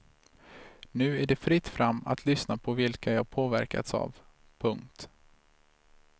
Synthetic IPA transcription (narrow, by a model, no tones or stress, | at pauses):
nʉ̟ːæɖɛfɾɪt̪ːfɾamːa̰t̪ʰlʏsnapʰɔvɪlkajɑːɡpʰoːvæɾka̰t̪sa̰ːv | pʰɵŋk̚t̪